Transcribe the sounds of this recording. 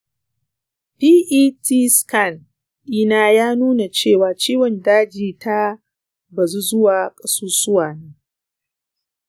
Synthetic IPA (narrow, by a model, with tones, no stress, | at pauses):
piː˦ʔiː˦tʰi˦ska˦˨n | ʔɪ˦naː˦jaː˦nuː˦na˨t͡ʃeː˦˨waː˨t͡ʃiː˦wɔ˨ndaː˦d͡ʒiː˨ta˦ | ba˨zu˦zʊ˦waː˨kʼɐ˦suː˦sʊ˦waː˨neː˦